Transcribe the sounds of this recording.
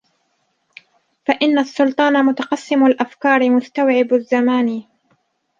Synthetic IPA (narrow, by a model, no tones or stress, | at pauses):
faʔɪnːasːʊlt̪ˤɑːnamʊt̪ɑqɑsːɪmalʔafkɑːɾˤɪmʊst̪awʕɪbazːamaːn